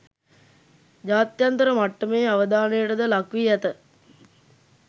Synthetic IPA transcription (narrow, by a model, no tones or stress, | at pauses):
d͡ʒaːt̪jant̪əɾəmaʈːəmeːaʋəd̪aːnejəʈəd̪əlakʋiɛt̪ə